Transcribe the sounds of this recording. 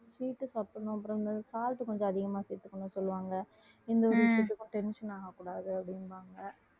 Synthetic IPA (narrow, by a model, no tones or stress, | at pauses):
sʋiːʈːɯsaːpɐɳʊ̃ɐp̬ːɯɾɔ̃ɪnd̪ɐsaːlʈɯkɔɲd͡ʒɔ̃ɐðɪɣɐmaːsɛɾt̪ːɯkːɐnːɯsɔlːɯʋaːŋɡɐ | ɪnd̪ɐɔɾɯʋɪʂjɐt̪ːɯkːʊ̃ʈɛnʂɐnaːɣɐkːuːɽaːðɯɐpːɐɽɪnʋaːŋɡɐ